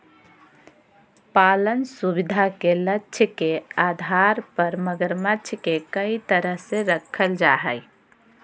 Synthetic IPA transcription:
palənsubid̪ʱakelətːʃʰkead̪ʱaɾpəɾməɡəɾmətːʃʰkekəit̪əɾəɦseɾəkʰəld͡ʒaɦɛj

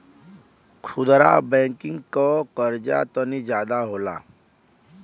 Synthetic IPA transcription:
kʰʊd̪ɾa̰bɛ̃ːŋkɪ̃ŋɡkɔkəɾd͡ʒa̰t̪ɔnid͡ʒjaːd̪aɦoːla̰

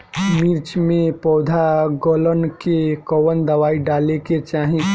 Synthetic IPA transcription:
miɾt͡ʃmẽpɔːd̪ʱaɡoːlənkekɔwənd̪əʋaːiɖaːleket͡ʃaːɦĩ

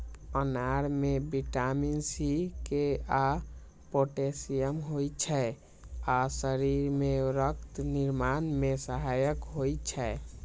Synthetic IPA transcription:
ənaɾmebiʈaminsikea | poʈesijəmɦojt͡ʃʰɛ | asəɾiɾmeɾək̚t̪niɾmanmesəɦajəkɦojt͡ʃʰɛ

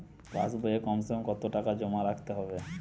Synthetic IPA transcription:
pa̰sboekɔmsemkɔt̪oʈakad͡ʑomaɾakʰt̪eɦɔbe

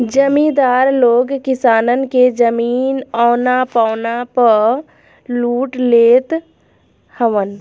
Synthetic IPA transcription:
d͡ʒəmid̪aːɾloːɡkɪsaːnənked͡ʒəmiːnɔːnapaʊnapə | luːʈleːt̪ | həʋən

